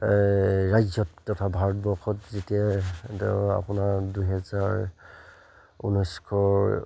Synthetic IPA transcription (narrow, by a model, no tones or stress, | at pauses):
ɹajzɔtːɔtʰabʱaɹɔtbɔɹxʰɔtzetia | a̰punaɹdujɦɛzaɹ | ṵnɔjskʰɔ